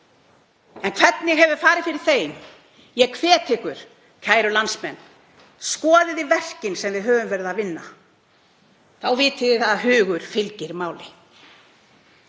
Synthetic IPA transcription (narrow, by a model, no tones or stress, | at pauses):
ɛnkʰvɛt̪nɪɣɦɛvʏɾ̥faːɾɪðfɪɾɪɾ̥θeːjm | jɛkʰvɛːt̪ʰɪhkʏɾ̥ | cʰaːjɾʏlansmɛnː | skɔːðɪðɪvɛr̥cɪnsɛmvɪðɦœːvʏmvɛɾðaðvɪnːa | θawvɪːt̪ɪðɪθaðaɦʏːɣʏɾ̥fɪlcɪɾmaːwlɪ